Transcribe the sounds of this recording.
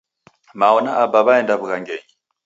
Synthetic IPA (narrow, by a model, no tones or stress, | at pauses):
maɔnaʔabaβaɛndaβukaŋɡɛɲi